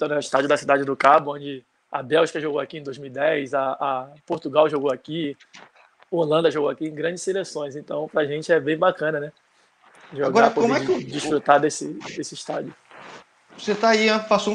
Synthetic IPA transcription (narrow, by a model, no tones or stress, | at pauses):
ẽt̪ɐ̃w̃nɛʊɪiʃt̪ad͡ʒiʊd̪ɐsid̪ad͡ʒɪd̪ʊkabʊõd͡ʒɪ | ɐ̰bɛwʃkɐʒoɡowakiẽd̪ojzmiwid̪ɛjsɐʔːpoɾt̪uɡawʒoɡoaki | ʊolɐ̃nd̪ɐʒoɡoakiẽj̃ɡɾɐ̃d͡ʒɪselesõj̃zẽt̪ɐ̃w̃pɾaʒẽt͡ʃɪɛbẽj̃bakɐ̃nɐnɛ | ʒoaɡɔɾɐkoõmɛd͡ʒiʃffɾut̪ad̪esɪd̪esɪiʃt̪ad͡ʒʊ | oset̪aiãpasõ